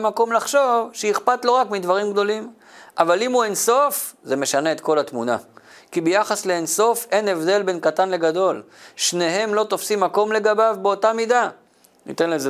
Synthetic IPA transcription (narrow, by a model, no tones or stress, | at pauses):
mako̞mlaχʃo̞vʃejiχpatlo̞ʁakmid̪vaʁimɡd̪o̞lim | ʔavalimue̞nso̞fzemeʃane̞ːtko̞lat̪muna̰kibejaχasle̞ːnso̞fe̞nevd̪e̞lbe̞nkatanle̞ɡado̞l | ʃne̞ɦe̞mlo̞t̪o̞fsimːako̞mle̞ɡabavbeotamida | ḭt̪e̞nleze